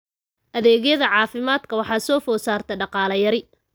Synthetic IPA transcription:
ʔɐðɛːɣjɐðɐʕɑːfɪmaːd̪kʰɐwɑħɑːsɔːfɔːsaːrt̪ʰɐɖɑqɑːlɐjɐɾɪ

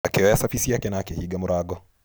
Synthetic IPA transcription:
akɛɛjasafisijakɛnaːkɛhiɡamuɾaɡɔ

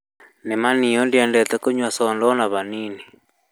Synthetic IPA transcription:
nɛmaniɔndiandɛt̪ɛkoɲwasɔndɔnaβanini

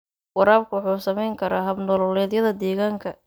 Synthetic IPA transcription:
wɑɾaːb̚kʰʊwʊħuːsɐmɛjŋkʰɐɾaːɦɐbnɔlɔlɛːðjɐðɐd̪ɛːɣaːŋkʰɐ

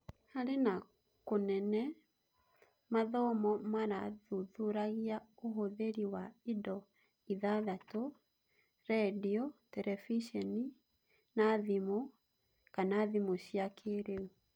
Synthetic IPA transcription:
haɾena | konɛnɛ | maðɔmɔmaɾaðuðuɾaɣiaoɦoðeɾiwaidɔ | iðaðato | ɾɛdiotɛɾʔɛfiʃɛni | naðimo | kanaːðimoɕiakʰeɾeu

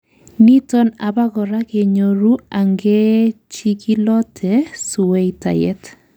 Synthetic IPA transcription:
nitɔnabaɣɔɾakeɲoɾuaŋɡɛ | t͡ʃikilɔtʰɛsuwejta̰jɛt

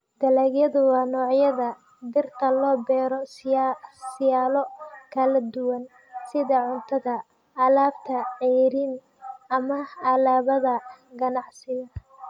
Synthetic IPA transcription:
d̪̥ɐlɐːɡjɐðʊwɑːnɔːʕjɐðɐ | d̪ɪrt̪ʰɐlɔːbɛːɾɔ | sɪjaːlɔkʰɐlɐd̪ʊwɐn | sɪðɐʕʊnt̪ʰɐðɐ | ɐlaːbt̪ʰɐʕɛjɾin | ɐmɐɐlaːβɐðɐɡɐnɑʕsɪɣɐ

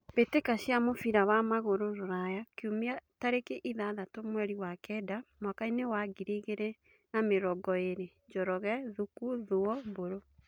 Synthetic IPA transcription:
βetekaɕjamofiɾawamaɣoɾoɾoɾajakomiataɾekeʔiðaðatomwɛɾiwakɛdamwakainewaɡiɾiɣeɾe | nameɾɔɡɔeɾeɲd͡ʒɔɾɔɣɛðukuðoɔboɾo

